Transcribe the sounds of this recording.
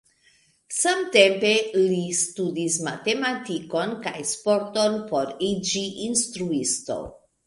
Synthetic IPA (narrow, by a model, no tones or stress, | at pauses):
samte̞mpe̞listudismate̞matiko̞nkajspo̞ɾto̞npo̞ɾid͡ʒiʔinstɾuisto̞̰